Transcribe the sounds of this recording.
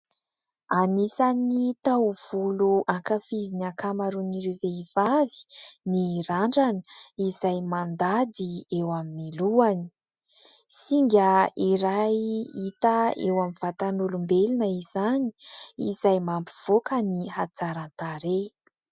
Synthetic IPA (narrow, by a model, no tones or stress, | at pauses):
anisanit̪awv̥uluʔaŋkafizinakamaɾuniɾeveiv̥avi̥niɾaɳɖ͡ʐanə̥izajmand̪ad̪iewaminiluani̥ | siŋɡʲəiɾajit̪aḛwamivat̪anulumbelinəizani̥izajmampi̥v̥okəniɦat͡saɾant̪aɾe